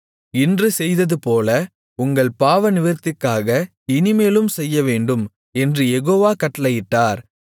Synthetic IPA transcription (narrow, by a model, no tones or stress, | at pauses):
ɪndrɯsɛjðɐðɯpoːlɐ | ʊŋɡɐɭpaːʋɐnɪʋɪɾt̪ːɪkːaːɣɐ | ɪnɪmeːlɯmsɛjːɐʋeːɳɖɯm | ɛndrɯjɛɣoːʋaːkɐʈːɐlɐjɪʈːaːɾ